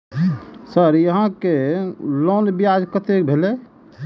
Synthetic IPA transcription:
səɾjəɦãkelonbijad͡ʒkət̪ek̚bʱele

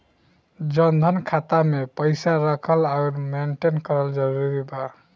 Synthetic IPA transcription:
d͡ʒənd̪ʱənkʰat̪amepəɪsaɾəkʰəlaʊɾmeɳʈenkəɾəld͡ʒəɾuɾiba

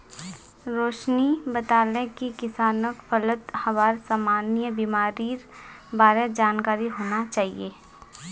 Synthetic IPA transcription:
ɾoːʃnibət̪aːlẽkikɪsaːnəkpʰələt̪hɐʋaːɾsaːmaːnjəbimaːɾiːɾbaːɾed͡ʒaːnkaːɾiɦoːnat͡ʃaːɦḭeː

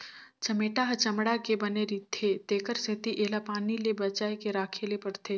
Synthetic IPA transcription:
t͡ʃɐmeːʈaɦt͡ʃɐmɽakebɐneɾit̪ʰːet̪eːkəɾset̪iʔeːlapaːnilebɐt͡ʃaːekeɾaːkʰeːlepɐɽt̪ʰeː

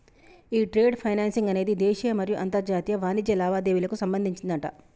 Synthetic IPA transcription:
iːʈɾe̞ːɖpʰɐjnaːnsiŋɡɐne̞ːd̪id̪eːʃiɐmɐɾijuʔɐnt̪ɐɾd͡ʒaːt̪ijɐʋaːnid͡ʒ̪jɐlaːʋaːd̪e̞ːʋilɐkusɐmbɐnd̪ʱiɲt͡ʃind̪ɐɳʈɐ

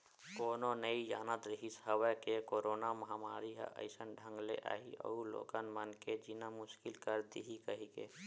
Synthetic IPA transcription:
koːnonəijaːnad̪ɾəɦisɦəwəkekoːɾoːnamɐɦamaːɾiɦə̰ʔə̰ɪsənɖʱə̃ŋɡlḛʔa̰ːɦḭʔə̰ulo̰ːɡənmənked͡ʒinamʊʃkɪlkəɾd̪ḭɦikəɦikḛ

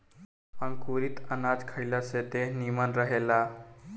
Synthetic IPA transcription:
paŋkuɾiːt̪ənad͡zkʰəjlaset̪enimanɾəɦela

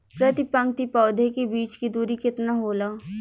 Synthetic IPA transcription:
pɾɐt̪ɪpə̃ŋk̚t̪ipɔːd̪ʱekebiːt͡ʃkid̪uːɾikɪt̪naɦoːlaː

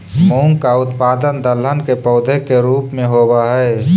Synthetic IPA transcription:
mõːŋɡkaʊt̪paːd̪ənd̪ələnkepɔʊd̪ʱekeɾuːpmẽɦoːbaɦɛe

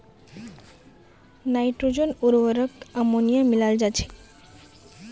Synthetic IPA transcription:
najʈɾud͡ʑonuɾwəɾəkamonijamilald͡ʑat͡ɕʰe̥

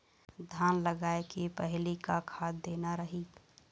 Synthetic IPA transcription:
d̪ʱanləɡaekepəɦlikakʰad̪d̪enaɾəɦit̪

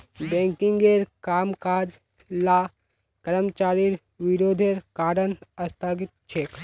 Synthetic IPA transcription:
bɛ̃ːŋkiŋɡeːɾkaːmkaːd͡ʒ | laː | kəɾəmt͡ʃaːɾiɾ | ʋiɾoːd̪ʱeːɾkaːɾənɐst̪ʰaːɡit̪̚t͡ʃʰeːk

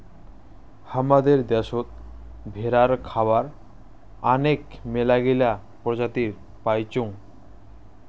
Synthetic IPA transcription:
hamad̪eɾd̪ɛʃot̪̚ | bʱeɾaɾkʰabaɾ | anekmelaɡila | pɾod͡ʑat̪iɾ | pajt͡ɕoŋ

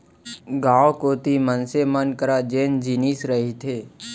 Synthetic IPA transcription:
ɡãːokoːt̪imənsemənkəɾad͡ʒeːnd͡ʒiːnisɾəɦit̪ʰeː

